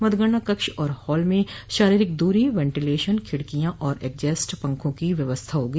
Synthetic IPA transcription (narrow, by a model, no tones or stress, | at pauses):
mɐd̪ɡəɽ̃nakɐkʃɔːɾhɔːlmẽʃaːɾiːɾɪk̚d̪uːɾiʋɛ̃ːɳʈɪleːʃənkʰɪɽkijãʔɔːɾeːk̚d͡ʒɛːsʈpɐ̃ŋkʰõkiʋjɐʋəst̪ʰaɦoːɡiː